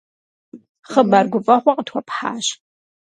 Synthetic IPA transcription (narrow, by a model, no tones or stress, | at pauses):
χəbarɡʷʊpʼɐχʷɐqʼətʰwɔpʰħa̰ːʃ